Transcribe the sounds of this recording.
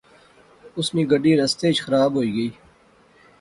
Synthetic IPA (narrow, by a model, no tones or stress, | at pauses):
ʊsniːɡəɖiːɾɐst̪eːt͡ʃxɐɾaːbɦoːiːɡəiː